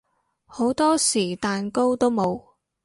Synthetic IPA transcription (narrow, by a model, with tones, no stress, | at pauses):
ho˨˥wt̪ɔː˥siː˨˩t̪aː˨nko˥wt̪o˥wmo˨˧w